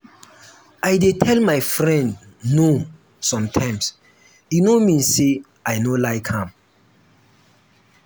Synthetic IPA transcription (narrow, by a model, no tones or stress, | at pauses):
ajdetʰɛlmajfɹɛ̃ndno | sɔ̃mtʰãɪ̃ms | junomĩnse | aɪnolaɪkhãm